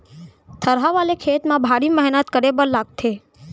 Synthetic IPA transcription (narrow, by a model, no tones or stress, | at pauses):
t̪ʰəɾɦaʋalekʰet̪mãbʱaɾiməɦnət̪kəɾebəɾlaɡ̚t̪ʰe